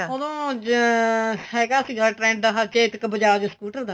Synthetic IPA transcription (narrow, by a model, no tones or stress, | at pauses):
od̪õː | ɛːɡaːsiɡaːʈɾɛ̃ːɳɖd̪aɦat͡ʃeːt̪kbəd͡ʒaːd͡ʒəskuːʈəɾd̪aː